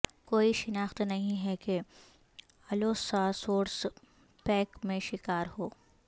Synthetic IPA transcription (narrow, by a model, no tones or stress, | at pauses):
koːiʃɪnaːxt̪nɐɦĩɦɛke | ɐloːsasoːɾs | pɛːkmẽʃɪkaːɾɦoː